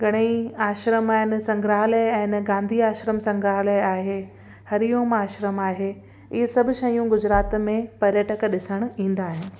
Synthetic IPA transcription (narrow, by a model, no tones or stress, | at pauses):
ɡɐɽ̃iaːʃɾəmaːɦɪnsɐ̃ŋɡɾaːɦləɛ̃ːnɡãːnd̪ʱiaːʃɾəmsɐ̃ŋɡɾaːɦləaːɦe | hɐɾijoːmaːʃɾəmaːɦeː | ɪɦsɐbʱʊ̆ʃɐjũɡʊd͡ʑɾaːt̪mẽpɐɾjəʈəkɗɪsəɽ̃ĩːn̆d̪aːɦɪnɪ̆